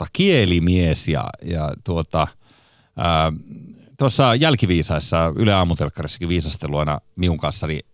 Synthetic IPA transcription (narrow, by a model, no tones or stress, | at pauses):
ɑkielimiesjɑ̰jɑ̰t̪uot̪ɑ | əː | t̪uosːɑjælkiʋiːsɑisːɑyleɑːmut̪elkːɑrisːɑ̥kiʋiːsɑst̪elːuɑinɑ̰miuŋkɑnsːɑni